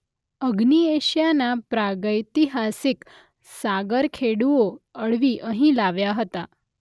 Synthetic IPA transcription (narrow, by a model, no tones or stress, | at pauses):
əɡnieɕjanapɾaɡəjt̪iɦasik | saɡəɾkʰeɽuʋoəɭʋiʔəɦĩlaʋjaɦət̪a